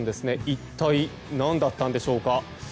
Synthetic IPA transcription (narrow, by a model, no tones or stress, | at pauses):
nd̪e̞sɨne̞itt̪ːai | nãnd̪at̪ːãnd̪e̞ɕo̞ːka